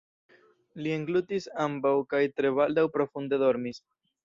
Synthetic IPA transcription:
lieŋɡlutisambawkajt̪ɾe̞βald̪awpɾo̞fund̪e̞do̞ɾmis

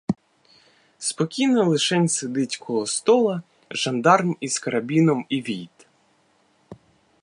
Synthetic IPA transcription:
spɔkʲijnɔlˠɪʃɛnʲsɪd̪ɪtʲkʰɔɦɔst̪ɔlˠɐ | ʒɐnd̪ɑrmiskɐɾɐbʲinɔmiʋʲijt̪

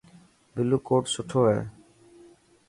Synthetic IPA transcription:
bɪluːkoːʈsʊʈʰoːɦɛː

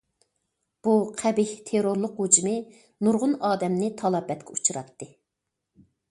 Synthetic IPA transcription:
b̥uqʰæbiht̪ʰeɾoɾlˠʊqhud͡ʒmɨ | nuɾʁʊnɑːd̪ɛmnɪt̪ʰɑlˠɑbɛt̪̚kʲʰɛu̥t͡ʃʰuɾɑ̰t̪ːɨ

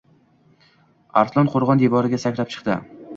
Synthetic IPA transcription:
a̰ɾslˠɒnqʰoɾʁɒnd̪ebɒɾɪɡʲasakʲlap̚t͡ʃʰɨ̥qt̪ɪ̰

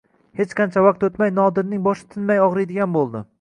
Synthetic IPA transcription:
he̞t͡ʃqʰɑnt͡ʃʰavaq̚t̪ot̪majnɒd̪ɪɾnɪŋbɒʃɪ̥t̪ʰɪnmajɒʁɾɪjd̪ɪɡʲanbolˠd̪ɪ

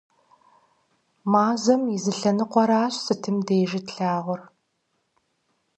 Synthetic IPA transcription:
maːzɐmizɨɬɐnɨqʷɔɾaːɕsɨtʰɨmdeːʒɪtɬaːʁʷʊr

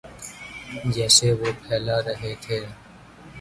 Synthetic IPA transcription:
d͡ʒɛːseʋoːpʰɛːlaːɾɐɦeːt̪ʰeː

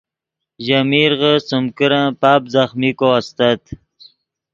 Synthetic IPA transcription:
ʑamiɾʁəsəmkəɾãpaːpzaχmikoast̪at̪

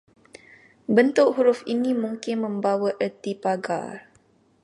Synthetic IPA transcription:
bənt̪ʊk̚huɾʊfinimuŋkɪnmə̃mbawəʔət̪ipaɡa̰

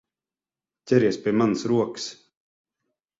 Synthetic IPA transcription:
t̪ʲɛɾiɛspʲiɛmansɾuɔks

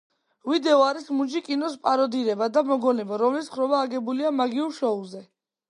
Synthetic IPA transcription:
vid̪ɛɔaɾismud͡ʒikʼinɔspʼaɾɔd̪iɾɛbad̪amɔɡɔnɛbaɾɔmlisχɾɔbaːɡɛbuliamaɡiuɾʃɔulˠzɛ

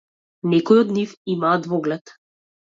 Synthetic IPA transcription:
nɛkɔjɔd̪nifimaːd̪vɔɡlɛt̪

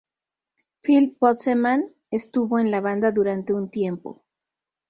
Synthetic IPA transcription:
filpot̪semãn | est̪uβo̞enlaβand̪aðuɾant̪e̞unt̪je̞mpo̰

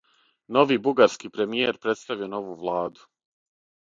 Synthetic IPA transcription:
no̞ʋiːbuɡaɾskiːpɾe̞mijeɾpɾe̞t̪st̪aʋiono̞ʋuːʋlˠaːd̪u̥

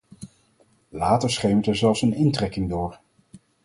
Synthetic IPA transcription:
laːtəɹsχejmətɛɹzɛlˠfsənɪntrɛkɪŋdʊːɹ

